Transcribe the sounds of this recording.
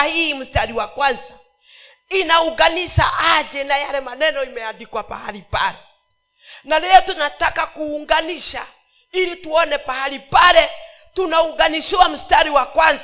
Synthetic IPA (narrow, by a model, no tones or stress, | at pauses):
hiːm̩staɾiwakwanza | inauŋɡaniʃa̰ʔaʄɛnajalɛmanɛnɔimɛaɗikwapa̰haɾipa̰lɛ | nalɛɔtunatakakuːŋɡaniʃa | ilituɔnɛpahaɾipalɛ | tunauŋɡaniʃiwam̩staɾiwakwanz